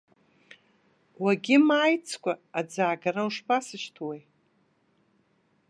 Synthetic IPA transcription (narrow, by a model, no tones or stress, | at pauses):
waɡʲɪmaːjt͡sʰkʷaad͡zaːɡaɾauʂpʰasɨʃtʰwej